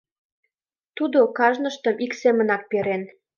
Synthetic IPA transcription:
t̪ud̪okɑʒnəʃt̪ə̆miksemə̆nɑk̚peɾen

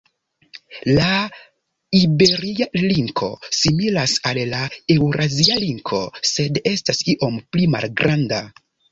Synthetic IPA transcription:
la | ibe̞ɾialiŋkʰo̞̰similasallae̞wɾʔazialiŋkʰo̞se̞de̞stasiʔo̞mplima̰lɡɾanda

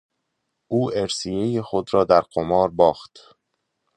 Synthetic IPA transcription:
ʔuːʔeɾsijejexod̪ɾɒːd̪æɾqomɒːɾbɒːxt̪

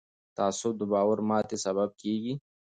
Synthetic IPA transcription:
t̪aːsʊd̪ubaːwəɾmaːt̪esɐbɐb̚kiːɡi

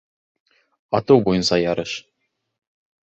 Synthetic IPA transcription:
ɑt̪ɤwbujɤ̆nsɑjɑɾɤʃ

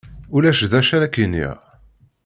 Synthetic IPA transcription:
ulæʃðæʃæɾækinːḭʁ

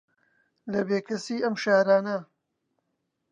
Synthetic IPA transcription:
lɐbeːkɐsiːɐmʃaːɾaːnɐ

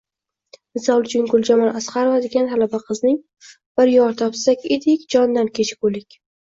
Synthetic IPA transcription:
mɪzalˠd͡ʒɪŋɡʊlˠd͡ʒamɒnʔasχaɾovad̪eɡʲanh̪alabaqʰɨznɪŋ | b̥ɪɾjɒɾt̪ʰɒpsakʲed̪ɪkʲd͡ʒɒnd̪ankʲʰet͡ʃʰkolɪkʲ

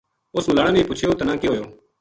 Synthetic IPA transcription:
ʊsməlaːɽãːnẽːpʊt͡ʃʰjoːt̪ənãːkeɦoːjoː

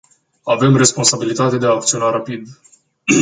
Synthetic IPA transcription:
ave̞mre̞spo̞nsabilit̪at̪e̞d̪eaːk̚t̪sio̞naɾapid̪

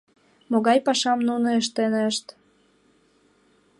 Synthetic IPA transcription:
moɣɑjpɑʃɑmnunoeʃ̬t̪eneəʃt̪

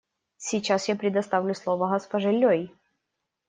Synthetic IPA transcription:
sʲɪt͡ɕasjapɾʲɪd̪ɐst̪avlʲʊslˠovəɣɐspɐʐɛlʲːoj

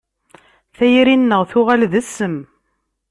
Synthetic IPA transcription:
θæjɾinːəʁθʊʁalðəsːəm

